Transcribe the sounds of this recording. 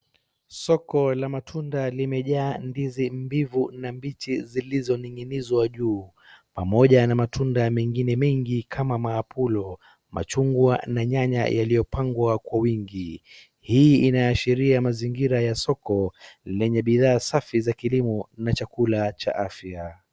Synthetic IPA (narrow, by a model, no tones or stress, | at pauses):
sɔkɔlamatʰundalimɛʄaːndizimbivunambitizilizɔniŋinizwaʄuː | pamɔʄanamatʰundamɛŋɡinɛmɛŋɡikʰamamaːpʰulɔ | ma̰t͡ʃuŋɡwanaɲaɲa̰jalijɔpaŋɡwakwawiŋɡi | hiːinaːʃiɾiamaziŋɡiɾajasɔkɔlɛɲɛɓiðaːsafizakilimɔnat͡ʃakulat͡ʃa̰ʔafja